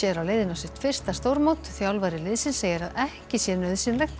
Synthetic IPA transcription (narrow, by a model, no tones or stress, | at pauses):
jɛɾawlejðɪnasɪht̪fɪr̥st̪ast̪oːwɾmowt̪θjawlvajɾɪlɪːðsɪnseːjɪɾaðɛhcɪsjɛnœɥðsɪnlɛjxt̪